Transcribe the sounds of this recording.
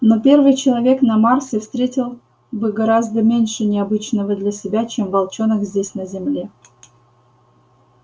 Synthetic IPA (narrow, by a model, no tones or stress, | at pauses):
no̞pʲe̞rvɨjt͡ɕɪlˠɐvʲe̞knɐmarsʲɪfst̪ɾʲetʲɪlˠ | bɨɡɐɾazd̪əmʲenʲʂɨnʲɪɐbɨt͡ɕnəvəd̪lʲɐsʲɪbʲat͡ɕemvɐlˠt͡ɕonəkzʲdʲesʲnəzʲɪmlʲe